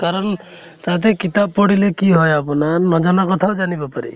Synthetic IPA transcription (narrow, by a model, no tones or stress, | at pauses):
kaɾɔn | t̪at̪̬ekit̪ab̚pɔɽilekiɦɔjapɔnanɔd͡ʒɔnakɔt̪ʰad͡ʒanibɔpaɾḭ